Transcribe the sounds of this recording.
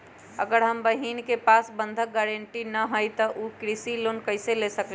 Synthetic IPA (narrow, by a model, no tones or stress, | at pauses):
əɡəɾɦəmbəɦinkepaːsbə̃nd̪ʱəɡɛːɾəɳʈinəɦojt̪ɔʔukɾisiloːnkəɪselesəkl